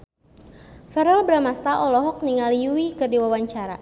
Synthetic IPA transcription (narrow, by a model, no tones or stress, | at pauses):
fɛɾɔlbɾamast̪aʔɔlɔɦɔk̚niŋalijuikɨrdiwawaɲt͡ʃaɾa̰